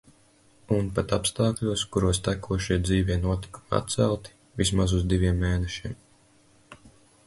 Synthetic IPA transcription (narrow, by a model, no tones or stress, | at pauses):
unpat̪apst̪aːklʲuɔskuɾuɔst̪ækuɔʃiɛd̪ziːvʲɛnuɔt̪i̥ku̥ma̰t̪t̪sɛlˠt̪i̥ | vʲis̬mazuzd̪ivʲiɛmːeːnɛʃiɛm